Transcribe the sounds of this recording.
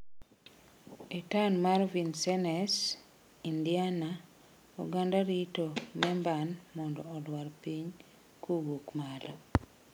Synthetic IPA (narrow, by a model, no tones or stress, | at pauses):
etanmaɾvinsɛnɛs | indiana | ṵɡandaɾitomɛmbanmɔndɔːdwaɾpiɲ | kʰuɡukmala